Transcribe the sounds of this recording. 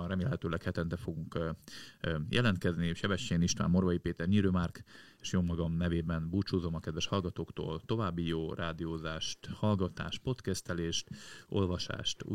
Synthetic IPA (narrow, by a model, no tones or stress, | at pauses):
nrɛmeːlhɛt̪øːlɛkhɛt̪ɛnt̪ɛfo̞ɡuŋk | jʔɛ̰lɛnt̪kɛzniʃɛbɛʃːeːniʃt̪ʋa̰ːmːorvɒjipeːt̪ɛrɲiːɾøːmaːrkeːʃjommɒɡɒmnɛveːbɛnbuːt͡ʃuːzo̞mɒkɛd̪vɛʃhɒlɡɒt̪oːkt̪o̰ːlt̪o̞vaːbːijoːraːd̪ijoːzaːʃt̪hɒlɡɒt̪a̰ːʃt̪̚po̞t̪kɛst̪ɛleːʃt̪o̞̰lvɒʃa̰ːʃt̪ː